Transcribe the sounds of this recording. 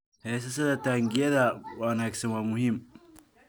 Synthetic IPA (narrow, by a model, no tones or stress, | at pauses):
hɛːs̬ɐs̬ɐðɐt̪aːŋɡɪjɐðɐwɐnaːksɐnwaːmʊɦɪm